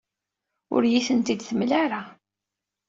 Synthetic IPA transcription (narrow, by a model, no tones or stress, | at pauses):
ʊ̰ɾjiθənt̪id̪θəmlaɾa